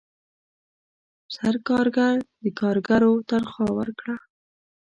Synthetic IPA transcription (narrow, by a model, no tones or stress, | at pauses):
saɾkɑɾɡaɾd̪əkɑɾɡaɾot̪əɾxwɑwə̰ɾkɽa